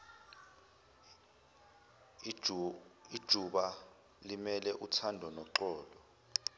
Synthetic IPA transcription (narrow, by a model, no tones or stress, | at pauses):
id̥ʒ̥ʱuɓa | limɛlɛʔutʰandʱɔnɔǃɔːlɔ